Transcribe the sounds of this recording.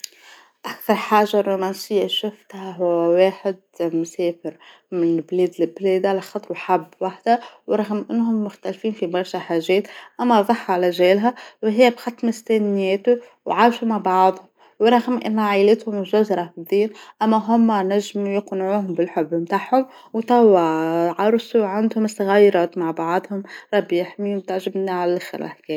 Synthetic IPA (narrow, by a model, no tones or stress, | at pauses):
ʔakθɑɾˤħaːʒːarːumænsɪjːaʃʊft̪hæɦʊwːæweːħɪd̪̚mʊsɛːfɪɾ | mɪnblɛːd̪lɪblɛːd̪alɪxɑt̪ˤɾwħabːwaħd̪æwɾˤɑɣəmʔɪnːɦʊmːʊxt̪ælfiːnfibɑɾˤʃæħaːʒɛːt̪ʔæmːæðˤɑħːʕlæʒɛːlɦæwɦɪjːæbxɑt̪ːmʊst̪æːnɪjɛːt̪u | wʕaːʃumaʕbɑʕðˤhʊm | wɾˤɑɣmʔɪ̰nːʕajlɪt̪hʊmʒʊzɾˤɑfɪiːnʔæmːæɦʊmːnæʒːɪmjɪqnʕuːhʊmbɪlħʊbːmt̪aʕhʊm | wt̪æwːæʕɑɾˤsˤuwʕand̪hʊmɪsːaɣæjɾˤɑːt̪maʕbɑʕðˤhʊmɾˤɑbːjɪħmimt̪aʕʒɪbniʕalælʔaxɪ̰ɾlʔa̰ħkɛː